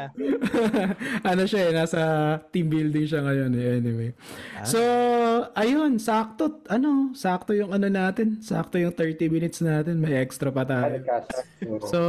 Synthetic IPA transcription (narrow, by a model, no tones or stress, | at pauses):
ʔɐnoʃaʔɛnaːsɐt̪imbild̪ɪŋʃɐŋɐjo̞nɛʔɛnɪwejso̞ʔɐjo̞nsaːk̚t̪ot̪ʔɐno̞saːk̚t̪ojʊŋɐnonaːt̪ɛnsa̰ːk̚t̪ojʊŋt̪ɛɹt̪imɪnɪt̪snaːt̪ɛnmɐjʔɛkst̪ɾɐpɐt̪aːjo | so